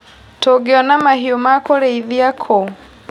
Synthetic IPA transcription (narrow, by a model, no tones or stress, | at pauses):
tɔɡɛɔnamahiɔmakɔɾɛiðiakʰɔ